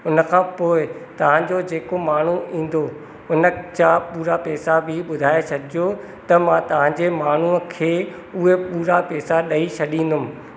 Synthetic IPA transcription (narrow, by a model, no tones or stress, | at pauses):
ʊnə̆kʰãːpoːɪt̪ɐʋ̤ãd͡ʑod͡ʑeːkomaːɳ̤uĩːn̆d̪o | ʊnə̆t͡ɕapuːɾapɛːsabʱɪɓʊd̪ʱaːesʰɐd̪ʱijo | t̪ɐmãːt̪ɐʋ̤ãɲd͡ʑemaːɳ̤ukʰeː | ʊɦepuːɾapɛːsaɗɐit͡ɕʰɐɗĩːn̆d̪ʊm̆